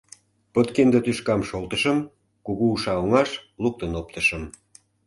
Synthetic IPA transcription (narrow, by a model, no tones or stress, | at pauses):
pət̪kend̪ət̪yʃkɑmʃolt̪əʃə̆m | kuɣuuʃɑoŋɑʃluk̚t̪ənop̚t̪əʃə̆m